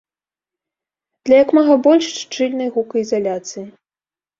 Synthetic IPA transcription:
d̪̥lʲɐjɐkmaɣɐbɔlʲʂʂt͡ʂɨlʲnɐjɣukɐizalʲat̪sɨji

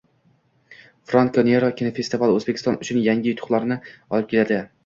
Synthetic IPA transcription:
fɾankoneɾokʲinofe̞st̪ivalˠɵzbekʲɪ̥st̪ɒnʊt͡ʃʰʊnjaŋʲɪjʊt̪ʰʊ̥χlˠaɾnɪɒlˠɪp̚kʲelad̪ɪ

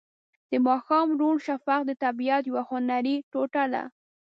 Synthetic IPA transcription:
d̪̥əmɑxɑmɾuɳʃafaq̚d̪ət̪abijat̪jwahʊnaɾiʈoʈala̰

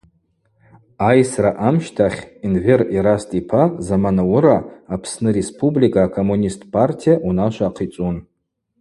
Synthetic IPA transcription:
ajsraʔamʃtʰaχʲinveriɾastʼipʰazamanawʊɾaːpʰsnɨɾe̞spʰʼublikʼaːkʰo̞munʲistʼpʰʼartʰijaʔunaʃʷaːqʰit͡sʷʼun

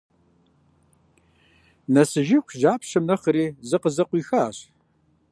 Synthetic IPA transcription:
nɐsɨʒɪxʷʒaːpʰɕɐmnɐχəɾiːzɨqəzɐqʷiːxaːɕ

